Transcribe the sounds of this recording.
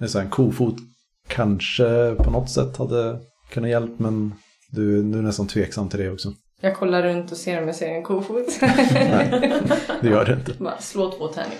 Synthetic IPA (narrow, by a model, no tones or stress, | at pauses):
ɛsɔæɾɛnkʰuːfuːt̪ | kʰanʂəpʰɔnɔt̪ːsɛ̰t̪ːhad̪ːə | kʰɵnːajɛlpːmɛn | d̪ɵnʉæɳɛst̪ant̪ʰveːksamːt̪ʰɪld̪ɛɔksɔ | jɑːɡ̚kʰɔlːaɾɵnt̪ɔseːɾɔmjaseːɾɛnkʰuːfuːt̪nɛɪd̪ɛjœːɖɵɪnt̪əbɑ̰sloːt̪ʰoːt̪hɛ̰ɳɪ̰